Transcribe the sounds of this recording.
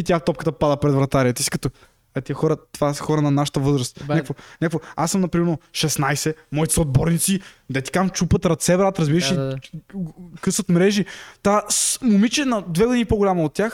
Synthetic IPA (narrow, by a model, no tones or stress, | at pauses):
it̪ʲaft̪ɔp̚kə̥t̪əpad̪əpɾɛd̪vɾɐt̪aɾiət̪əsi̥kɐ̥t̪o | ɛt̪iɐxɔɾət̪vasxɔɾənɐnaʃə̥t̪əvɤzɾɐst̪ɲakvoɲʲakvoasːəmnɐpɾimɛɾnoʃɛsnajsɛmɔit̪ɛ̥səod̪̚bɔɾnit̪sid̪ɛt̪i̥kamt͡ʃupət̪ɾɐt̪sɛbɾat̪ɾɐzbiɾəʃi | kɤsvɐt̪mɾɛʒit̪asmʊmit͡ʃɛnɐd̪vɛɡʊd̪inipoɡʊlʲamɐot̪ːʲjax